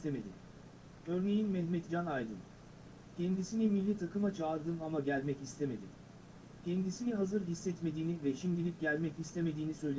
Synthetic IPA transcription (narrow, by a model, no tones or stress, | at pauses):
t̪ʰeme̞d̪ḭm | ø̞ɾne̞jinmɛhmɛt̪d͡ʒanajd̪ɯ̰n | cʰɛnd̪isinimilʲːit̪ʰakʰɯmat͡ʃʰaːɾd̪ɯmamaɟælʲmɛcist̪ʰe̞me̞d̪ḭm | cʰɛnd̪isiniɦazɯɾɦisːɛt̪me̞d̪iːnivɛʃimd̪ilʲip̚ɟælʲmɛcist̪ʰe̞me̞d̪iːnisø̞jlʲe